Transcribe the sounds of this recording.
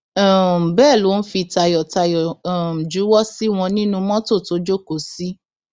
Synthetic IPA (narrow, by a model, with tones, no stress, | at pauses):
ɔ̃˨m̩˨bɛː˦˨lo˨˦n̩˦fi˧˨ta˧jɔ˨ta˧jɔ˨m̩˨d͡ʒu˨˦wɔ˦si˦w̃ɔ̃˧nĩ˦nũ˧mɔ̃˦to˦˨to˨˧˦d͡ʒo˦ko˨si˦